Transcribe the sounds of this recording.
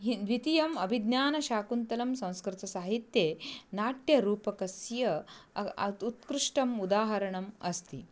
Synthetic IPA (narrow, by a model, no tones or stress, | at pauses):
ɦiʋit̪ijɐmɐbʱid̪njaːnɐʃaːkunt̪ɐlɐmsɐ̃w̃skɾɪt̪ɐsaːɦit̪jeːnaːʈjɐɾuːpɐkɐsjɐ | t̪ut̪kɾuʂʈɐmud̪aːɦɐɾɐɳɐmɐst̪ḭ